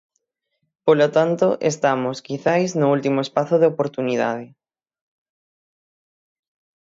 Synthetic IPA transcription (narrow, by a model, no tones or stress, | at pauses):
polot̪ant̪oʔḛst̪amoskiθajznʊult̪imoespaθoð̞eopoɾt̪uniða̰ð̞ɪ